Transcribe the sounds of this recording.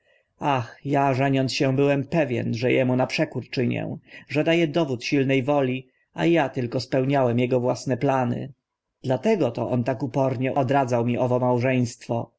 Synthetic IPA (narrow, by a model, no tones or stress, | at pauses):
axjaʐɛɲɔnt̪sɕɛ̃bɘwɛmpɛvʲjɛ̰nʐɛjɛmunapʂɛkuɾt͡ʂɘɲɛ̰̃ʐɛd̪ajɛd̪ɔvut̪ɕilnɛjvɔlʲi | a̰jat̪ɘlkɔspɛwɲawɛmjɛɡɔvwasnɛplanɘ̰ | d̪̥lat̪ɛɡɔt̪ɔʔɔnt̪akupɔɾɲɛʔɔd̪ɾad̪zawmʲiʔɔvɔmawʐɛj̃st̪fɔ